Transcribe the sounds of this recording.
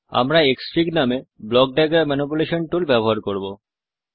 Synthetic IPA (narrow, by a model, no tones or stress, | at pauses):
a̰mɾaeksʈɾiknameblɔk̚ɖaɡaɾmɛnip̬uleʃonʈulbɛboɦaɾkoɾbo